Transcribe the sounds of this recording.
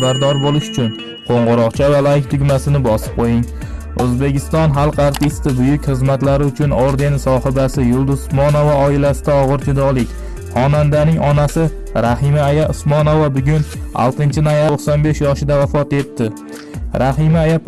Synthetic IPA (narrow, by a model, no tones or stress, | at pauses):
baɾd̪ɒɾbolɪʃʊ̥t͡ʃʰʊn | qʰoɴʁʊɾɒqt͡ʃʰavalajɪkʲt̪ʰʊɡʲmasɪnɪbɒsɪ̥p̚qʰojɪŋ | ɵzbe̞kʲɪst̪ɒnɦalˠqaɾt̪ɪst̪ɪbʊjʊkʲχɨzmat̪laɾɪʊt͡ʃʰʊnoɾd̪e̞nɪsɒhɪbasɪjʊlˠd̪ʊzʊsmɒnovaɒɪlasɪd̪aɒʁɨɾd͡ʒɪd̪ɒlˠɪkʲ | χɒnand̪anɪŋɒnasɪ | ɾahɪmaːjaʊsmɒnovabʊɡʲʊnɒ̰lˠt̪ʰɪnt͡ʃʰɪnojaoqsɒnbe̞ʃjɒʃɪd̪avafɒt̪e̞t̪ːɪ | ɾʔahɪmaːjap